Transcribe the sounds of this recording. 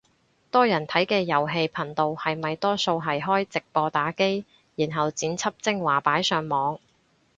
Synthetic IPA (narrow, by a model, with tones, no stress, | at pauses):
t̪ɔː˥jɐ˨˩nt̪ʰɐ˨˥jkɛː˧jɐ˨˩wɦe˧jpʰɐ˨˩nt̪o˨whɐ˨jmɐ˨jt̪ɔː˥so˧wɦɐ˨˩jɦɔː˥jt͡sɪ˨k̚pɔː˧t̪aː˨˥ke˥j | jiː˨˩nɦɐ˨wt͡siː˨˥nt͡sʰɐ˥p̚t͡sɪ˥ŋwaː˨˩paː˨˥jsœː˨˧ŋmɔː˨˧ŋ